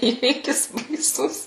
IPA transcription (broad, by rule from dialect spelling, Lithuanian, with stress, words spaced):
ˈiːʋʲiːkʲɪs bɐɪˈsʊs